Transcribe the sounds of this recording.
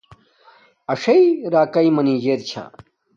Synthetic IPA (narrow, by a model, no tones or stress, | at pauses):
ɐʂɐiɾaːkɐimɐniːd͡ʑeːɾt͡ɕʰa̰